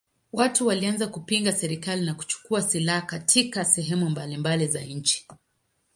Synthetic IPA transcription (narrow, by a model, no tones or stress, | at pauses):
watuwalianzakupiŋɡasɛɾikalinaku̥t͡ʃu̥kuasilahakatʰikasɛɦɛmumbalimbalizaɲ̩t͡ʃi̥